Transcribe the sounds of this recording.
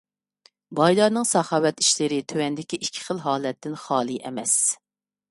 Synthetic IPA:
bɑjd̪ɑɾnɨŋsɑχɑːwɛt̪i̥ʃlɪɾɪt̪ʰøwɛnd̪ɪkʲiʔikʲʰːi̥χəlˠɦɑːlɛt̪ːɪnχɑːlˠiʔɛ̰mɛs

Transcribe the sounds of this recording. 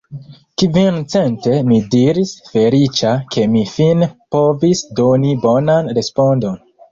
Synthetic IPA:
kvint͡se̞nte̞midiɾisfe̞lit͡ʃakʰe̞mifinpo̞visdo̞nibo̞nanɾe̞spo̞ndo̞n

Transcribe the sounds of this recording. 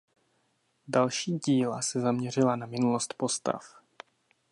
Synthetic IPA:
dalʃiːɟiːlasɛzamɲɛr̝ɪlanamɪnulost̪po̞st̪a̰f

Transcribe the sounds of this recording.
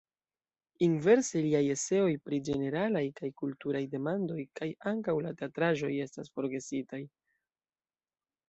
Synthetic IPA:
inve̞ɾseliaje̞se̞o̞jpɾid͡ʒe̞ne̞ɾalajkajkultuɾajde̞mando̞jkajaŋkawlate̞atɾaʒo̞je̞stasfo̞ɾɡe̞sitaj

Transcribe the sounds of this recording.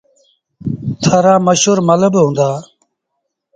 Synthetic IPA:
t̪ʰəɾaːməʃɦuːɾmələbɦũːnd̪aː

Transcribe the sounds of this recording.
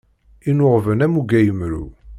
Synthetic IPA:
inʊʁvənæmuɡæjəmɾṵ

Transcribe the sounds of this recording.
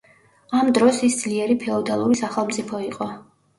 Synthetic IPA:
amd̪ɾɔsisd̪z̥liɛɾipʰɛɔd̪alˠuɾisaχɛlˠmt̪sʼipʰɔiqʼɔ

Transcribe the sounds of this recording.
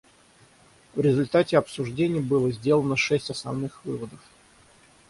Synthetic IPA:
vɾʲɪzʊlʲt̪atʲɪɐpsʊʐdʲenʲɪjəbɨlˠəzʲdʲe̞lˠənəʂɛsʲtʲɐsnɐ̰vnɨxvɨvəd̪əf

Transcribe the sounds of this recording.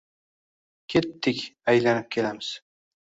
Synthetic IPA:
kʲʰe̞t̪ːɪkʲajlanɪp̚kʲʰe̞lamɪz̥

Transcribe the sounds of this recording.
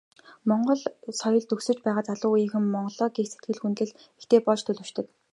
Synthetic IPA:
mɔɴɢɞ̆ɮsɔjɞ̆ɮt̪ɵxsɵ̆t͡ɕpæːʁaːt͡saɮʊːujĭŋxɘ̆mːɔɴɢɞ̆ɮɔːɡiːkset̪̚ɡɘ̆ɮxunt̪ɘ̆ɮ | ext̪eːpɔɮt͡ɕt̪ʰɵɮɵ̆wʃt̪ɘ̆k̪

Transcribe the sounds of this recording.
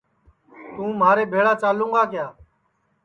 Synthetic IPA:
t̪ũːmaːɾeːbʱeːɽaːt͡ʃaːlũːɡaːkɪjaː

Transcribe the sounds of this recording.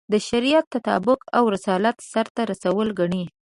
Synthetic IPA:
d̪əʃaɾijat̪ːat̪ɑ̰bʊkawɾɪsɑlat̪saɾt̪aɾasawəlɡaɳe

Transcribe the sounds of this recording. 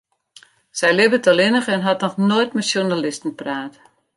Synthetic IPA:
sɛjlɪbətʰɔlˠɪnəxɛnɦatnɔxnojtmɛtsjunalɪstn̩praːt

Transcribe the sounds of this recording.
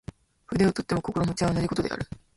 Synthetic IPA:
ɸɯ̟d̪eo̞t̪o̞t̪ːe̞mo̞ko̞ko̞ɾomot͡ɕiaanaɾiko̞t̪od̪e̞̰a̰ɾɯ̟

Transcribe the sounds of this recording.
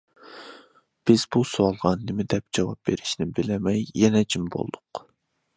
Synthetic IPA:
b̥ɪz̥busoɑlˠʁɑnːɪmɪd̪ɛp̚d͡ʒɑwɑp̚b̥eɾɪ̥ʃnɪbɪlɛmɛjːɛnɛd͡ʒimbo̰lˠd̪ʊq

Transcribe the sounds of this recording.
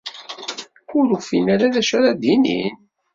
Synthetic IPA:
kʊɾufinaɾaðæʃæɾad̪inḭn

